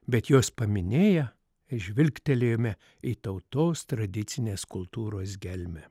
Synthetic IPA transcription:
bʲɛt̪joːspɐmʲɪnʲeːjɛ | ɪʒʲʋʲɪlʲkt̪ʲɛlʲejoːmʲɛ | it̪ɐʊt̪oːst̪ɾɐd̪ʲɪt̪sʲɪnʲeːskʊlˠt̪uːɾoːsɡʲɛlʲmʲɛ

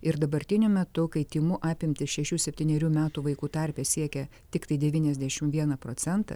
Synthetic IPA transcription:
ɪɾd̪ɐbɐɾʲt̪ʲɪnʲʊmʲɛt̪ʊkɐɪt̪ʲiːmʊʔɑːpʲɪmʲt̪ʲɪsʃʲɛʃʲuːsʲɛpʲt̪ʲiːnʲɛɾʲuːmʲæːt̪uːʋɐɪkuːt̪ɐɾʲpʲɛːsʲiɛkʲɛ | t̪ʲɪkt̪ɐɪd̪ʲɛʋʲiːnʲɛzʲd̪ʲæʃʲɪmʋʲiɛnɐpɾoːsʲɛnt̪ɐ̰

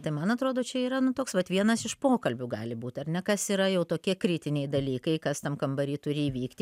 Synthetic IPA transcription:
t̪ɐɪmɐnɐt̪ɾoːd̪oːt͡ʃʲɛiːɾɐnʊt̪oːksʋɐt̪ʋʲiɛnɐsɪʃpoːkɐlʲbʲʊɡɑ̰ːlʲɪbuːt̪ʲɐrnʲɛkɐsiːɾɐjɛʊt̪oːkʲiɛkɾʲɪt̪ʲɪnʲɛɪd̪ɐlʲiːkɐɪkɐst̪ɐmkɐmbɐɾʲiːt̪ʊɾʲɪiːʋʲiːkt̪ʲɪ

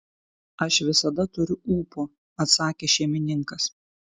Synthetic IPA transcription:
ɐʃʋʲɪsɐd̪ɐt̪ʊɾʲʊuːpoː | ɐt̪sɑːkʲeːʃʲɛɪmʲɪnʲɪŋˑkɐs

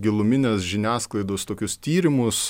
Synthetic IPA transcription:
ɡʲɪlˠʊmʲɪnʲesʒʲɪnʲæːsklˠɐɪd̪oːst̪oːkʲʊst̪ʲiːɾʲɪmʊs

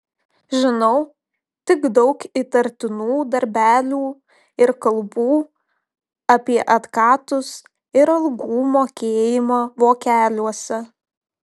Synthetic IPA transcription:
ʒʲɪnɔʊ | t̪ʲɪɡd̪ɒʊkɪt̪ɐɾʲt̪ʲɪnuːd̪ɐɾʲbʲæːlʲuː | ɪɾkɐlˠbuː | ɐpʲiɛʔɐt̪kɑːt̪ʊs | ɪɾɐlˠɡuːmoːkʲeːjɪmoːʋoːkʲæːlʲuɔsʲɛ

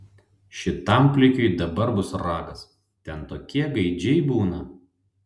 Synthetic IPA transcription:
ʃʲɪt̪ɐˑmpʲlʲɪkʲoɪd̪ɐbɐɾbʊsɾɑːɡɐs | t̪ʲɛnt̪oːkʲiɛɡɐɪd͡ʒʲɛɪbuːnɐ

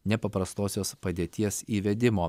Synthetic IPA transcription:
nʲɛpɐpɾɐst̪oːsʲoːspɐd̪ʲeːt̪ʲiɛsiːʋʲɛd̪ʲɪmoː

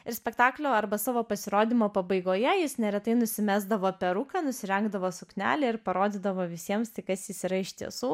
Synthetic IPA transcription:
ɪɾsʲpʲɛkt̪ɑːklʲoːɐɾbɐsɑːʋoːpɐsʲɪɾoːd̪ʲimoːpɐbɐɪɡoːjɛjɪsnʲɛɾʲɛt̪ɐɪnʊsʲɪmʲæːzd̪ɐʋoːpʲɛɾukɑnʊsʲɪɾʲɛŋɡd̪ɐʋoːsʊknʲæ̰ːlʲɛːɪɾpɐɾoːd̪ʲɪːd̪ɐʋoːʋʲɪsʲiɛmst̪ʲɪkɐsjɪsiːɾɐɪʃʲt̪ʲḭɛsuː

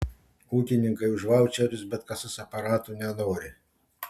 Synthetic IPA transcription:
uːkʲɪnʲɪŋkɐɪʊʒʋɑʊt͡ʃʲɛɾʲʊsbʲɛt̪kɐsɐsɐpɐɾɑːt̪unʲɛnoːɾʲɪ

